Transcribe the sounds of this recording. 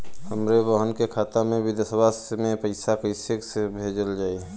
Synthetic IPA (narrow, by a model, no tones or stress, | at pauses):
həmɾebəɦənkekʰaːt̪amẽʋɪd̪asəbʱasmẽpəɪsakəɪseksebʱeːd͡ʒəld͡ʒaːi